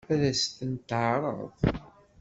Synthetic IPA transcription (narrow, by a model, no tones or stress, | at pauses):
æðæst̪ənt̪ʕɾˤə̰ðˤ